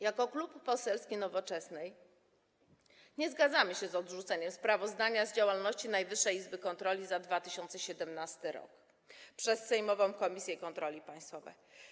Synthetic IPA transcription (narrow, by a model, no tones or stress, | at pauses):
jakɔklupːɔsɛlskʲinɔvɔt͡ʂɛsnɛj | ɲɛzɡad̪zamɘɕɛzɔd̪ʐut̪sɛɲɛmspɾavɔzd̪aɲazd͡ʑawalnɔɕt͡ɕinajvɘʂːɛjizbɘkɔnt̪ɾɔlʲizad̪vat̪ɘɕɔnt̪sɛɕɛd̪ɛmnast̪ɘɾɔ̰k | pʂɛssɛjmɔvɔ̃w̃kɔmʲisʲjɛkɔnt̪ɾɔlʲipaj̃st̪fɔvɛ̰j